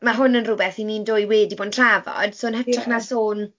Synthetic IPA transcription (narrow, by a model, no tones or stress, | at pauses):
maɦʊnənrʊbɛθiniːndoːjweːdiboːdntʰravɔ̰d̥soːnɦətʰraχnasoːn